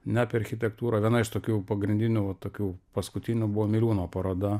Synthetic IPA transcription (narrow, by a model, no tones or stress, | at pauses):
nʲæːpʲɪɐɾʲxʲɪt̪ʲɛkt̪uːɾɐːʋʲiɛnɐɪʃt̪oːkʲuːpɐɡɾʲɪnʲd̪ʲɪnʲuʋɐt̪oːkʲuːpɐskʊt̪ʲɪnʲubʊʋoːmʲɪlʲuːnoːpɐɾoːd̪ɐ